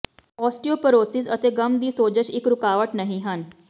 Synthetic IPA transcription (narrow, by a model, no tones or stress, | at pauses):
ɔːsʈioːpəɾoːsɪzət̪eːɡəmd̪iːsoːd͡ʒəʃɪkɾʊkaːʋəʈnəɦĩːɦən